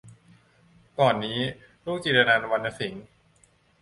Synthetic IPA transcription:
kɔː˨˩nːiː˦˥ | ɾuː˥˩k̚t͡ɕiː˨˩t̪a˧naː˧n˧wa˧nːa˧si˩˦ŋ

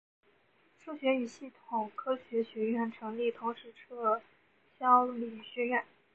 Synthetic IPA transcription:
ʂʰu˥ɕɥɛ˧˥y˨˩ɕi˥˩t̪ʰʊ˨˩ŋkʰɤ˥ɕɥɛ˧˥ɕɥɛ˧˥ɥɛ˥˩nʈ͡ʂʰɤ˧˥ŋli˥˩t̪ʰʊ˧˥ŋʂɻ̩˧˥ʈ͡ʂʰɤ˥ | ɕjɑ˥ʊli˨˩ɕɥɛ˥ɥɛ˥˩n

